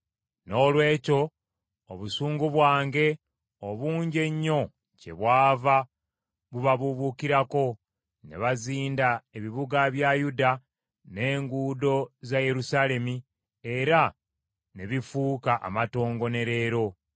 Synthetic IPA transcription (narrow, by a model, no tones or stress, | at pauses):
no̞ːlwe̞ːco̞ | oβusuːŋɡuβwaːŋɡe̞ | oβuːɲɟe̞ɲːo̞ | ce̞̰βwaːva | βuβaβuβukiɾako̞ | ne̞̰βaziːndae̞βiβuɡaβjajuda | ne̞ːŋɡuːdo̞zaje̞ɾusale̞mi | e̞ɾa | ne̞βifuːkaʔa̰mato̞ːŋɡo̞ne̞ɾe̞ːɾo̞